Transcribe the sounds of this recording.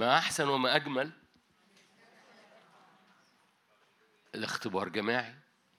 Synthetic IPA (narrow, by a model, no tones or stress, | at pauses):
mæʔaħsænwɪmæʔæɡmæl | ɪlɪxt̪ɪbɑːɾˤɡæmiːʕi